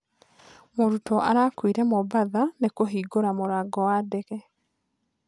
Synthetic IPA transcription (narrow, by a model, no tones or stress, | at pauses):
moɾutɔʔaɾaːkwiɾɛmobaðanekoɦiːɡoɾamoɾaɡɔwadɛɣɛ